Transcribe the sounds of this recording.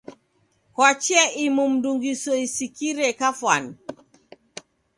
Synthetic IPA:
kwat͡ʃɛʔimum̩duŋɡisɔisikiɾɛkafwan

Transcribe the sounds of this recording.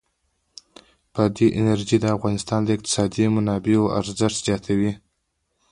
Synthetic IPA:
pəd̪eʔɪnaɾʒid̪əafɣɑnɪst̪ɑnd̪əɪq̚t̪ɪ̥sɑd̪imʊnɑbeoʔa̰ɾzɪʃt̪z̥jɑt̪ʰawi

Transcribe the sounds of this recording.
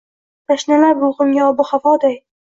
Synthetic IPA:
t̪aʃnalaɾbʊlʁmɡʲaɒbʊχafɒd̪aj

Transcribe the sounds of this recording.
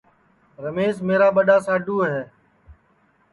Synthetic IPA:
ɾəmeːsmeːɾaːɓəɗaːsaːɖʱuːɦeː

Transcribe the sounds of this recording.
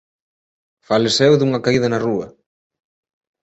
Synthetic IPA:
falesewðuŋɐkaiðɐnɐruɐ

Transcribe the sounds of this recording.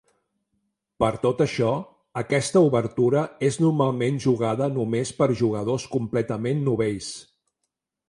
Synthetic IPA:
pəɾt̪ot̪əʃɔ | əkɛst̪əuβəɾt̪uɾəeznuɾmalˠmenʲʒuɣaðənumespəɾʒuɣ̞əðoskumplɛt̪əmenːuβeʎs

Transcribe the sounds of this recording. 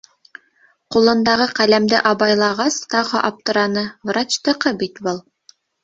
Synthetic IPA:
qulˠɤ̆nd̪ɑʁɤqælæmd̪ɘʔɑbɑjlˠɑʁɑst̪ɑʁɤʔɑp̚t̪ɤ̆ɾɑnɤvrat͡ɕt̪ɤ̆qɤbit̪bɤlˠ

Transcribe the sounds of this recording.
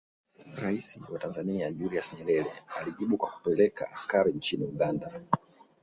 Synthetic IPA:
ɾaisiwatanzaniaʄuɾiasɲɛɾɛɾɛaliʄiɓukwaku̥pɛlɛka̰ʔːskaɾint͡ʃiniuɠanda

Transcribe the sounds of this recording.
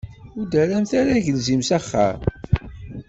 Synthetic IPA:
ʊɾd̪æɾæmθaɾæʝəlzimsæχːa̰m

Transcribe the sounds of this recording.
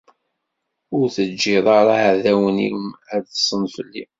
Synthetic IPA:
ʊɾθəd͡ʒːiðˤɑɾˤaðæwənḭmæ̥sˤənfəlːi

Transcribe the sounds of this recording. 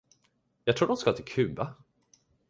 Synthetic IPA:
jɑɡt̪ʰɾuːɖ̪ɔmskat̪ʰɛkʰʉ̟ːva

